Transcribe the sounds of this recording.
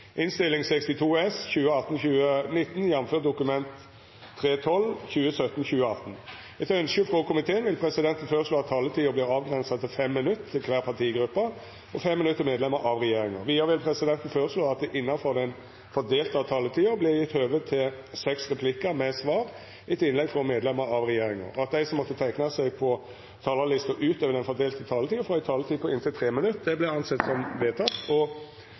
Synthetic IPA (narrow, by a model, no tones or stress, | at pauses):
ʔɪnst̪ɪlːɪŋsɛkst̪ɪt̪ʰuːɛsçʉːəɑt̪n̩çʉːənɪt̪ːn̩jɛnːmføːt̪̚d̪ʊkʉmɛnt̪ʰː | ɾeːt̪ʰɔlːçʉːəsœt̪n̩çʉːəɑt̪n̩ | ɛt̪œnskəfʁɔkʰʊmɪt̪ʰeːənʋɪlpʰɾɛsɪd̪ɛnt̪ən̩føːɾəʂloːɑt̪ʰːɑːlət̪ʰiːəbliːɾɑːʋɡɾɛnsɑt̪ʰɪfɛmːɪnʉt̪ʰːɪlkʰʋæːʁpʰɑʁt̪ʰiːɡɾʉpːɑ | ɔfɛmːɪnʉt̪ːəɾmeːd̪lɛməɾʔɑʋʁɛjeːɾɪŋə̰ʋiːəɾəʋɪlpʰɾɛsɪd̪ɛnt̪n̩føːɾəʂloːɑt̪̚d̪ɛʔɪnːɑfɔd̪ɛn | fɔd̪eːlt̪ɑt̪ʰɑːlət̪ʰiːəblɪjɪt̪ːøːʋət̪ʰːɪl | sɛksɾɛpʰlɪkːəmɛsʋɑːɾ | ɪt̪ɪnlɛɡfɔmeːd̪lɛmːəɾɑʋɾɛjeːɾɪŋɑ̰ɾɑt̪̚d̪æɪsɔmːɔt̪ːət̪ʰæɪknɑsɛɡpʰɔ | t̪ʰɑːləʁlɪst̪ɔʔʉːt̪øːʋəd̪ɛnfɔd̪eːlt̪ət̪ʰɑːlət̪ʰiːəfɾɔɪt̪ʰɑːlət̪ʰiːpʰɔɪnt̪ɪlt̪ʰɾeːmɪnʉt̪ːd̪ɛblɛɑnsɛt̪ːsɔmʋeːt̪ʰɑt̪ːɔ